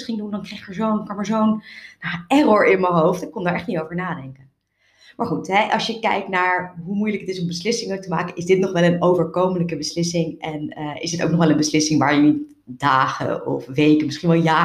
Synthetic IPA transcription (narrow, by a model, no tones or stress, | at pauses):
sχɪŋdundɑnkrejχɪkəɹzownkɑmaɹzownaɛrɔɹɪnməɦowftɪkːɔ̃ndaːɹɛχtnitowvəɹnaːdɛŋkən | maːɹχutɦɛʔɑ̰sjəkɛ̰jk̚tnaːɹɦumujləkətɪsʊmbəslɪsɪŋəlk̚təma̰ːkəɪzdɪtnɔχʋɛlˠənowvəɹkowmələkəbəslɪsɪŋɛnəɪ̰zdɪto̰wknɔχʋɛlˠənbəslɪsɪŋʋaːɹjənit̚ | d̥aːχə̰ɔ̰fʋejkənmɪsχinʋɛlˠjaː